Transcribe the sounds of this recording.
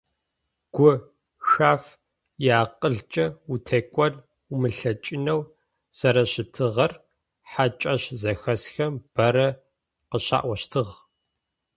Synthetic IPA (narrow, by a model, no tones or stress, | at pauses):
ɡ̥ʷʊ | xaːf | jaːqʼəɮt͡ʃʼɐutʰekʷʼɔr | umɨɬɐt͡ʃʼɪnɐw | sɐɾɐɕɪtʰɨʁɐr | ħat͡ʃʼɐɕzɐxɐsxɐmb̥ɐɾɐ | qəɕa̰ːʔʷɐɕtʰɨʁ